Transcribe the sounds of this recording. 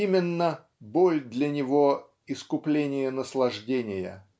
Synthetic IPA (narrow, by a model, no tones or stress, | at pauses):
imʲɪnːə | bolʲd̪lʲənʲɪvo | ɪskʊplʲenʲɪjənəslˠɐʐdʲenʲɪjə̰